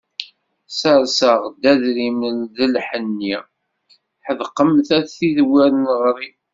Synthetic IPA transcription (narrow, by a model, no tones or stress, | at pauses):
səɾsəʁd̪æðɾimənðəlħənːi | ħəðqːəmθæθiðwæɾənʁɾˤi